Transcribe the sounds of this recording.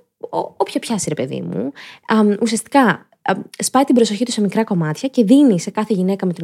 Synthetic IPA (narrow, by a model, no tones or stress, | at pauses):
oopçɐpçɐsiɾe̞pe̞ðḭmṵ | usiɐst̪i̥kɐ | spɐjt̪imbɾo̞so̞çit̪use̞mikɾɐko̞mɐt̪çɐce̞ðinise̞kɐθe̞ʝine̞kɐme̞t̪i